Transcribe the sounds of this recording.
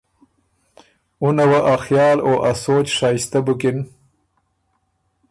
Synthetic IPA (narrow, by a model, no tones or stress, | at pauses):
ʊnawaʔaxjɑːloʔasoːt͡ʃʂɑːjɪst̪abʊkɪn